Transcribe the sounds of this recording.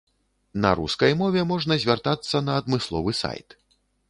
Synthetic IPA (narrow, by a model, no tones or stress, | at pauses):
nɐ̰ɾṵskɐjmɔvʲɛmɔʐnɐzʲvʲart̪at̪sːɐnɐːd̪mɨslˠɔ̰vɨsa̰jt̪